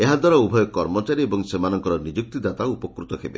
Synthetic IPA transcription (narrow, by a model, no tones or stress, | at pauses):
eɦad̪waɾɔubʱɔjɔkːɔɾmɔt͡ʃaɾiebɔŋsemanɔŋkɔɾɔnid͡ʒuk̚t̪id̪at̪aupɔkɾut̪ɔkʰebḛ